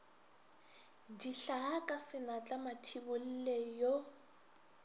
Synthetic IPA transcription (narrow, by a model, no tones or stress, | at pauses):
diɬaɦakʼasɪnat͡ɬʼamatʰibʊl̩lɛjɔ